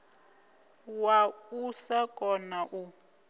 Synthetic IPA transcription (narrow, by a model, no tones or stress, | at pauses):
wausakʼɔnaʔu